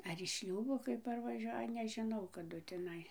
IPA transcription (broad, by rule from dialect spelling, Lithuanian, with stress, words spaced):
ɐr ɪʃ ˈʃʲlʲuːboː kɐɪ pɐrʋɐˈʒʲuɔjɛ nʲɛʒʲɪˈnɐʊ kɐˈdʊ tʲɪˈnɐɪ